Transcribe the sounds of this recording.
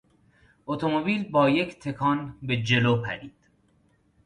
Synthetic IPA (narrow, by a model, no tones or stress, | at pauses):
ʔot̪ʰomobiːlbɒːje̞cʰt̪ʰe̞kʰɒːnbe̞d͡ʒe̞loːpʰæ̰ɾiːd̪̥